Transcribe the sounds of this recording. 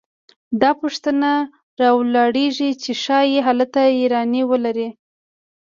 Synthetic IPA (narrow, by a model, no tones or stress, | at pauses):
d̪ɑpuʂt̪əna | ɾɑwlɑɽeʐit͡ʃeʃɑjeɦalat̪aiɾɑniwəlaɾi